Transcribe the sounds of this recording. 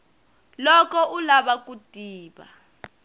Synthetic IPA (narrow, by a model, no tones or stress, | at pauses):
lɔkɔʔulaɓak̬ʼutʼiːɓa̰